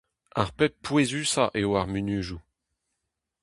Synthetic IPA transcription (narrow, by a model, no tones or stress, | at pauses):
ɛ̃ʁpɛpwezysaʔewaʁmynyʒu